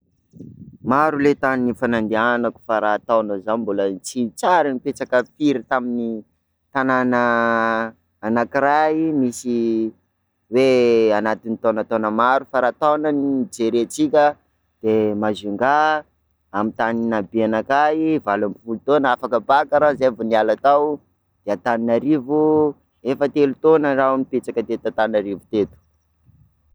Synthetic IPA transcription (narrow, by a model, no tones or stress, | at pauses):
maɾulet̪aninifanand̪ianaku̥faɾaːt̪anəzanimbolənt͡sint͡saɾinipet͡sakəfiɾit̪amini | t̪ananə | nakiɾaimisi | weanat̪init̪onat̪onəmaɾufaɾaːt̪ownanid͡zeɾet͡sikʲə | d̪̥emazuŋɡa | amit̪aninabianakaivalambifulut̪onafakəbakaɾazevonialat̪aw | d̪̥eat̪aninaɾivu | efət̪elut̪onəraaminipet͡sakət̪et̪at̪anaɾivut̪et̪u̥